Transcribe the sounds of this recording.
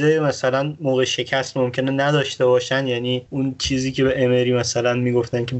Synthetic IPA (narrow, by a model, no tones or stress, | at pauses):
emæsælænmoːɣeʃe̞cʰæst̪mo̞mcʰe̞nenæd̪ɒːʃt̪e̞bɒːʃænd̪jæːniːunt͡ʃʰiːziːcʰe̞beʔemeɾiːmæsælænmiːɡo̞ft̪æncʰe